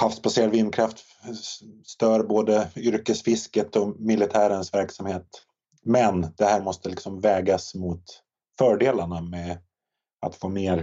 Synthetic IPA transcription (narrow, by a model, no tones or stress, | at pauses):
hafsbaseːɾad̪vɪnkʰɾaft̪ | st̪œːɾboːd̪əʏɾkəsfɪskət̪ɔmɪlɪt̪ʰæːɾənsvæɾksamheːt̪ | mɛnd̪̥ɛhæːɾmɔst̪əlɪksɔmvɛːɡasmʊt̪ | fœːɖeːlaɳamɛ | a̰t̪foːmeːɾ